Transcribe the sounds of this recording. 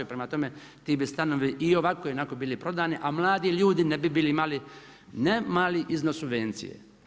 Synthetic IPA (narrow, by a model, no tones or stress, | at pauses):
upɾemat̪o̞me | t̪iːbist̪anoʋiʔio̞ʋakojinakobiːlipɾo̞d̪aːniʔamlˠaːd̪iʎuːd̪inebibiːliimali | nemaːliʔiznosubʋent̪sḭjḛ